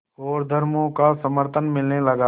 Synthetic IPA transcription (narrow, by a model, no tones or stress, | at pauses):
ɔːɾd̪ʱəɾmõkasəməɾt̪ʰənmɪlnelɐɡaː